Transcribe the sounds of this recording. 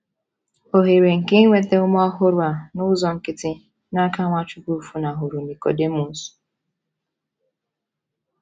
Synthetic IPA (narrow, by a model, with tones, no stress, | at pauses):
o˨ɦe˨ɾe˨ŋ̩˨ke˦ŋʷe˨te˦ʊ˦m˦ɔ˦ɦʊ˦ɾʊ˨a˨nʊ˦zɔ˨ŋ̩˨kɪ˦tɪ˦ | na˦ka˦ŋʷa˦t͡ʃʊ˦ku˦˨fu˨na˨ɦʊ˨ɾu˨ni˨ko̰˨de˦mu˨n̩˦su̥˨